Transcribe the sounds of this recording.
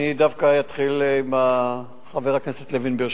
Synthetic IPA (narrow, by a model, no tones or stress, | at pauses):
id̪afkajat̪χilima | χaveʁaknese̞t̪levinbiʃ